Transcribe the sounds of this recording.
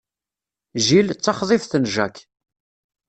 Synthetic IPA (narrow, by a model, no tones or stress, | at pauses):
ʒilt͡sːɑχðˤɪfθənʒæk